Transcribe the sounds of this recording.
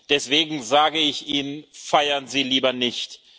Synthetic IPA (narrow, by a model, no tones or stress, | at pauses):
d̥ɛsv̥eːɡŋ̩zaːɡəɪçʔiːnnfaɪɐnziːliːbɐnɪçt